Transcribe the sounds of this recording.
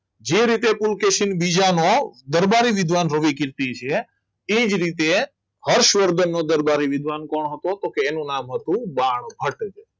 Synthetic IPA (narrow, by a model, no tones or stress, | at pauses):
d͡ʒeɾit̪epulkeʃinbid͡ʒanod̪əɾbaɾiʋɪd̪ʱʋanɾəʋikɪɾt̪it͡ʃʰe | ed͡ʒɾit̪e | həɾʃʋəɾd̪ənːod̪əɾbaɾiʋɪd̪ʱʋankɔɳɦət̪ot̪okeːnũnamɦət̪ũbaɳ̃bʱəʈd͡ʒe